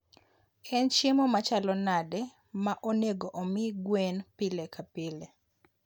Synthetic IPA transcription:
ɛnt͡ʃemomat͡ʃalɔnadɛ | maʔoneɡoʔomɪɡwɛnpɪlɛkʰapɪlɛ

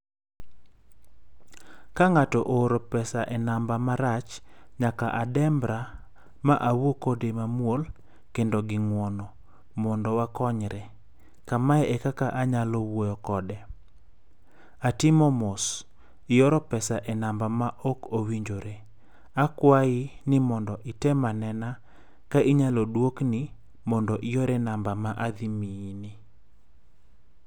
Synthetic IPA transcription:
kaŋatɔʔoɾopɛsaʔɛnambamaɾat͡ʃɲakaʔadɛmbɾa | maʔawokodemamwol | kendoɡɪŋwɔnɔ | mɔndɔwakɔɲɾɛ | kamaɛekakaʔaɲalɔwojɔkɔdɛ | atɪmɔmos | ɪjɔɾɔpɛsaʔɛnambamaʔɔkowiɲd͡ʒoɾe | akwaɪnɪmɔndɔʔɪtɛmanɛna | kaʔiɲalɔdwoknɪ | mɔndɔʔɪjɔɾɛnambamaʔad̪imijinɪ

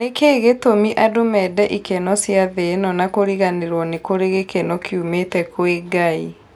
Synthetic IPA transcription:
nekeːɣetomiʔadomɛdɛʔikɛnɔsjaðenɔnakoɾiɣaneɾwɔnekoɾeɣekɛnɔkʰjumetɛkweɡai

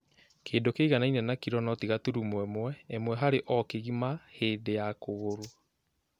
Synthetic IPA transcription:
kʰeːndokeiɣanainɛnakiɾɔnɔtiɣatuɾumwɛmwɛemwɛɦaɾeʔɔkeɣimaheːndejakoɣoɾo

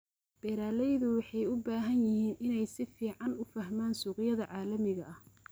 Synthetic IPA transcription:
b̥ɛɾaːlɛjðʊwɑħɑjʊbaːɦɐnjɪhiːnɪnɛjsɪfiːʕɑnʊfɐhmaːnsuːqɪjɐðɐʕɑːlɐmɪɣɐʔɐh

